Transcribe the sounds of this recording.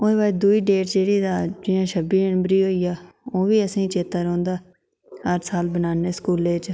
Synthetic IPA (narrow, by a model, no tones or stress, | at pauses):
oːeːbaːd̪uːiːɖeːʈd͡ʒeːɽiːd̪aːd͡ʒɪjãːʃʰəbiːəɳbɾiːɦoːiːaː | oːʋiːəsĩːt͡ʃeːt̪aːɾõːnd̪aː | ɦəɾsaːlbənaːneːskuːleːt͡ʃ